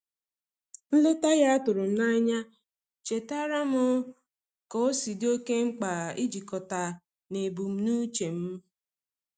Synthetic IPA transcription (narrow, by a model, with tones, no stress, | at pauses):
n̩˦lʊ˦ta˦ja˦a˦tʊ˨ɾʊ˨n̩˦na˦ɲa˦ | t͡ʃe˨ta˦ɾa˦mʊ˦ | kɔ˦o˦si˨do˦ke˦ŋ͡m̩˦k͡pa˨i˦d͡ʒi˨kɔ˨ta˨ | ne˨bu˨m̩˦nuː˦t͡ʃe˨m̩˦